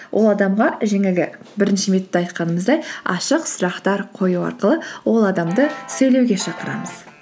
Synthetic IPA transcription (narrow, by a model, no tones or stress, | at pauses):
wʔo̞lˠɑd̪ɑmʁɑʒe̞ŋɪlɡʲɪbɪɾɪnʃɪmet̪ːeɑjt̪qɑnəməzd̪ɑjɑ̰ʃəqsʊɾɑqt̪ɑɾqʰo̞juɑ̰ɾqəlˠəwo̞lˠɑd̪ɑmd̪əsɵjlewɡʲe̞ʃɑqəɾɑ̰məz̥